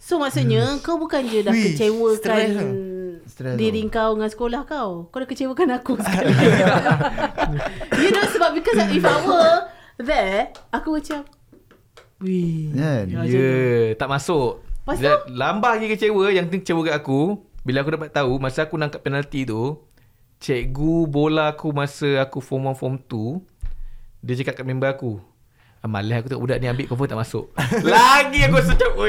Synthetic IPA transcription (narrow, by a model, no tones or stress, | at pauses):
somasuʔɲəəkawbukand͡ʒədahət͡ʃewəka | diɾiŋkawəŋansə̥kolahkawkawdahkət͡ʃewəkanakuskan | jədosəbap̚bikasaifawə | ðɛakumət͡ʃap̚ | wi | jət̪aʔmasʊʔalambahaɡikət͡ʃewəjaŋt̪it͡ʃewəkaʔakubilaːkudapat̪ːaumasəakunãŋkaʔpɛnalt̪it̪u | t͡ʃɛʔɡubolaakumasəakufɔmanfɔmt̪u | diət͡ʃəkat̪̚kat̪̚membaaku | əma̰lɛɦakut̪əŋa̰ʔbudaʔniambɪʔkɔfət̪aʔmasʊ̰ʔlaɡiakusədapə